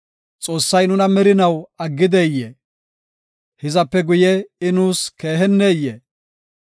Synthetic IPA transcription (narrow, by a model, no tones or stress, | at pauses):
t͡sʼo̞ːsːɐjnʊnɐmɛɾɪnɐwɐɡːɪd̪ɛjːe | hɪzɐpːɛɡʊjɛɪnuːske̞ːɦɛnːeːjːe